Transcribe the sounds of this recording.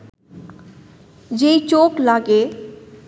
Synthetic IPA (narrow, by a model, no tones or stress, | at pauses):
d͡ʑejt͡ɕoklaɡe